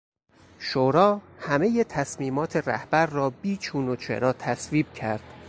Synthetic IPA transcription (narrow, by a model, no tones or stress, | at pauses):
ʃoːɾɒːhæme̞jet̪ʰæsmiːmɒːt̪ʰe̞ræ̰hb̥æɾrɒːbiːt͡ʃʰuːnot͡ʃʰḛɾɒːt̪ʰæsviːb̚cʰæɾd̪̥